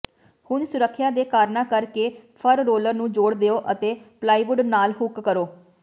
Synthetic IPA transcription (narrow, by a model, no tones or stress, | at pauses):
hʊnsʊɾəkʰːjaːd̪eːkaːɾnãːkəɾkeːpʰəɾːoːləɾnũːd͡ʒoːɽd̪eoːʔət̪eːplaːiːbʊɖnaːlɦʊkkəɾoː